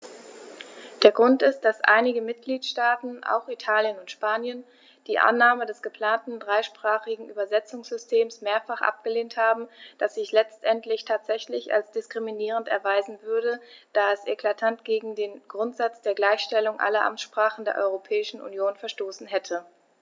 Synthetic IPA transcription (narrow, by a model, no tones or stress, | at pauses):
d̥eːɐɡʁʊntɪst̚d̥asʔa̰ɪnɪɡəmɪt̚ɡ̥liːtʃtaːtn̩ʔa̰ʊxitʰaːljənʊntʃpaːnjən | d̥iːʔa̰nːaːmədɛsɡ̥əpʰl̥aːntn̩dʁaɪʃpʁ̥aːχɪɡŋ̩ʔyːbɐzɛt͡sʊŋsz̥ʏstʰeːmsmeːɐfaχʔa̰p̚ɡ̥əleːnthaːbm̩d̥asz̥ɪçlɛt͡stʔɛntlɪçtʰaːtz̥ɛçlɪça̰lsd̥ɪskʁ̥iminiːʁ̞əntɛ̰ɐvaɪzn̩vʏɐɾəd̥aːɛsʔekʰl̥atʰantɡ̥eːɡŋ̩deːnɡʁʊntz̥at͡sd̥eːɐɡlaɪçʃtɛlʊŋʔa̰lɐʔa̰mʃpʁ̥aːχn̩deːɐʔɔ̰ʏʁopʰɛːɪʃn̩ʔṵnjoːnfɛɐʃtoːsn̩ɦɛtʰə